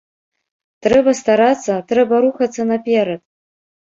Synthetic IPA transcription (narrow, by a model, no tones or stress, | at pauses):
trɛbɐst̪aɾat͡sʰːɐtrɛbɐɾuxat͡sʰːɐnapʲeɾɐd